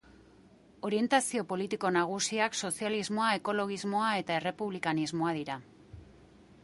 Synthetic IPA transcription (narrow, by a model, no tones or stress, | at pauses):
o̞ɾie̞nt̪asio̞po̞lit̪iko̞naɣ̞usiakso̞sializmo̞ae̞ko̞lo̞ɣ̞izmo̞ae̞t̪ae̞re̞puβlikanizmo̞aðiɾa